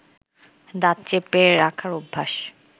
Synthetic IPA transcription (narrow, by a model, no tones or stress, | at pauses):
d̪at̪t͡ɕepeɾakʰaɾubʱːaʃ